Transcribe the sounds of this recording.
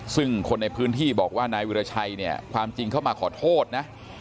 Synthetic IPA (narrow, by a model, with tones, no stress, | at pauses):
sɯ˥˩ŋkʰo˧nːa˧jpʰɯː˦˥nt̪ʰiː˥˩bɔː˨˩k̚waː˥˩naː˧jwi˧ɾa˧t͡ɕʰa˧jni˥˩ɐkʰwaː˧mt͡ɕi˧ŋkʰa˥˩wmaː˧kʰɔː˩˦t̪ʰoː˥˩t̪̚na˦˥ʔ